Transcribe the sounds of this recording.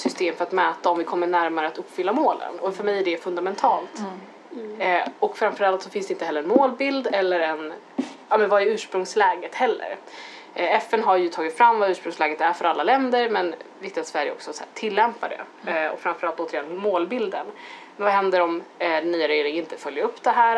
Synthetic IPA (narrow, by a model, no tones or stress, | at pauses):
sʏst̪eːmfœɾat̪mɛːt̪aɔmvɪkʰɔmːəɳæɾmaɾəat̪ɵpːfʏlːamoːlə̰nɔfœɾmɛjæɖɛfɵnd̪amɛnt̪ʰɑːlt̪ | ɔkfɾamfœɾalt̪sɔfɪnsd̪ɛɪnt̪əɦɛlːəɾɛnmoːlbɪld̪ɛlːəɾɛn | aːmɛnvajəʉ̟ːʂpɾɵŋslɛːɡət̪hɛlːə̰ɾ | ɛfːɛnɦaɾjɵt̪ʰɑːɡɪt̪fɾamːvaʉ̟ːʂpɾɵŋslɛːɡət̪æɾfœɾalːalɛnd̪əɾmɛnvɪk̚t̪ɪat̪svæɾjə̰ɔ̰ksɔsæ̰ːʈʰɪlːɛmpad̪ɛ̰ | ɔ̰kfɾamfœɾalt̪oːt̪əɾɪjɛnmoːlbɪld̪ən | vaɦɛnd̪əɾɔmd̪ɛnːyːaɾɛjɾɪŋəɪnt̪əfœljəɾɵpːd̪ɛɦæːɾ